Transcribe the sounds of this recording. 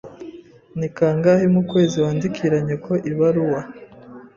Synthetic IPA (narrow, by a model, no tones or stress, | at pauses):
nikaŋɡahimukwe̞ːziwaːndikʰiɾaɲe̞ko̞ʔiβaɾuwa